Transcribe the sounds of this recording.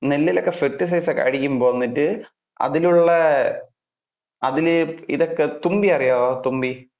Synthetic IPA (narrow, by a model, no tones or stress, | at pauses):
nelːilokːe̞ferʈːis̬ɐjsɐkːḛɐɻikʲːumbo̞ːnːiʈːɨ | ɐ̰ðiluɭːɐ | ɐðilḭðokːe̞t̪umbiɐrijaːðoːt̪umbi